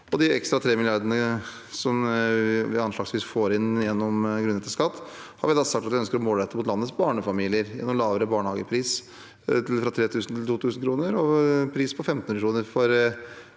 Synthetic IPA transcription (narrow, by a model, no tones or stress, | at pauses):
ɔd̪ɪɛkst̪ɾɑt̪ʰɾeːmɪlɪɑɾɖ̪ənə | sɔmʋɪɑnʂlɑːɡsʋiːsfoːɾɪnjɛnːɔmɡɾʉnɛt̪ːəskɑt̪ːhɑɾʋɪld̪ɑːsɑk̚t̪ɑt̪ʋɪœnskəɾɔmoːlɾɛt̪ːəmʊt̪lɑnːəsbɑːɳəfɑmiːlɪəɾjɛ̰nːɔmlɑːʋəɾəbɑːɳəhɑːɡəpʰɾiːs | t̪ʰɪlfɾɑt̪ʰɾeːt̪ʰʉːsnt̪ʰɪlt̪uːt̪ʰʉːsn̩kʰɾuːnəɾɔpʰɾiːspʰɔfɛmt̪nʉəkɾuːnəɾfɔɾ